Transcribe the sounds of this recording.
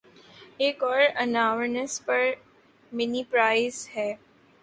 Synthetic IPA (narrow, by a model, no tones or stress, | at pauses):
eːkɔːɾɐnaːʋənəspɐɾ | mɪnipɾaːɪzhɛː